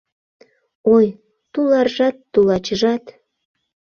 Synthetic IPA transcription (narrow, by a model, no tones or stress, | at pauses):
oj | t̪ulɑrʒɑt̪ːulɑt͡ɕəʒɑt̪